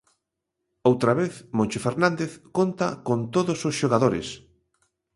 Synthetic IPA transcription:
owt̪ɾaβeθmõnʲt͡ʃofeɾnãnd̪eθkont̪akont̪oðʊsosʃoɣaðoɾɪ̰s

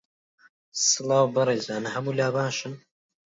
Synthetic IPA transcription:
sɨlɑːwbɐɾˤeːzaːnɐɦɐmuːlaːbaːʃɨn

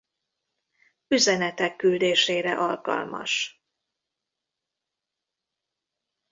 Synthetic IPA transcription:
yzɛnɛt̪ɛkːyld̪eːʃeːɾɛ̰ʔɒlkɒ̰lmɒ̰ʃ

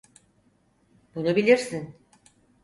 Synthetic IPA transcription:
bunubilʲiɾsin

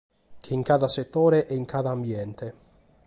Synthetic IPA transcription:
k̟ʰeiŋkad̪aset̪ːoːɾeʔɛiŋkʰad̪aːmbjɛnt̪e

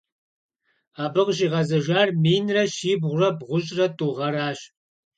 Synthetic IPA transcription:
aːbɨʁʒiːʁɐzɐʒʷaːrmiːnrɐʃiːbʁʷʊrɐbʁʷʊɕʼrɐtʼuːʁɐɾaːɕ

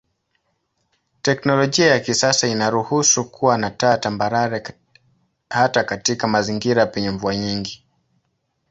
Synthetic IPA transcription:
tɛknɔlɔʄiajakisasainaɾuhusukʰuwanatatambaɾaɾɛ | hatakatikamaziŋɡiɾapɛɲɛɱvuaɲiŋɡi

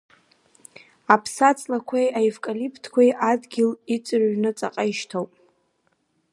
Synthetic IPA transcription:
apʰsat͡sʼlakʷʰajaevkʼalipʰtʰkʷajʔadɡʲɪlit͡sʼɨrɥnɨt͡sʼa̰qʼaiʃtʰowpʼ

